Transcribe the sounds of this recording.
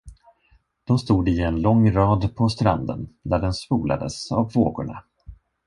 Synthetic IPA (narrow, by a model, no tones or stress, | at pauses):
d̪̥ɔmst̪uːd̪ɪɛnlɔŋːɾɑːd̪pʰɔst̪ɾand̪ə̰nd̪æɖɛnspuːla̰d̪əsavvo̰ːɡʊɳa̰